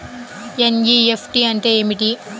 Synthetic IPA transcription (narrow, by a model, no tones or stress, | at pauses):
ɛnjiefʈiɐnʈeemiʈi